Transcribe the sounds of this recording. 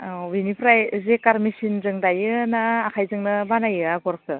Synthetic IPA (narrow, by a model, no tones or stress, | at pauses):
winipʰɾajzekaɾmisinzɯŋdajɯnaːkʰajzɯŋnɯbanajɯaɡɔɾkʰɯ